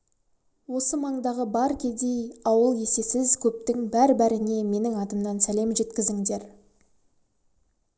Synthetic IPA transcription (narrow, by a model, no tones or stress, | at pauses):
wo̞səmɑɴd̪ɑʁəbɑɾkʲʰe̞d̪e̞jɑwəlˠje̞se̞sɪzkʲʰɵp̚t̪ɪŋbæɾbæɾɪne̞me̞nɪŋɑd̪əmnɑnsæle̞mʒe̞t̪kʲɪzɪŋd̪e̞ɾ